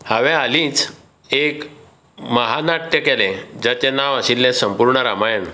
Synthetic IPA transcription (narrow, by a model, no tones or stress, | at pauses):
haʋɛ̃alĩːt͡s | ek | məɦanaʈːjəkɛlɛ̃d͡ʑat͡ɕenaʋaɕilːɛ̃səmpuɾɳəɾamajen